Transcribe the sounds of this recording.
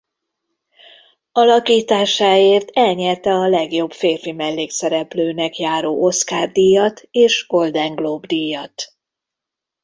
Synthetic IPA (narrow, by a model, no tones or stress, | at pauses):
ɒlɒkiːt̪aːʃaːeːrt̪ɛlɲɛrt̪ɛɒlɛɡjo̞bfeːrfimɛlːeːksɛɾɛpløːnɛkjaːɾoːʔo̞t̪skaːrd̪ijɒt̪eːʃɡo̞ld̪ɛŋɡloːbd̪ijɒt̪